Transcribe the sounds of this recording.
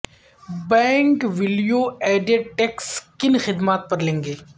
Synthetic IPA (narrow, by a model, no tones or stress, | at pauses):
bɛ̃ːŋkʋɪlijoɛːɖeɖʈɛkskɪnxɪd̪maːt̪̚pɐɾlẽːŋɡeː